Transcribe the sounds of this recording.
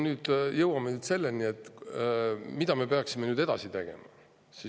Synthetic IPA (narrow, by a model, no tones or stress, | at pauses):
nyːd̪̥jɤwɑmenyːd̪se̞lːenie̞t̪ːˑ | mid̪ɑmepeɑksimenyːd̪e̞d̪̥ɑ̰sit̪e̞ɡ̥e̞̰mɑ̰ | si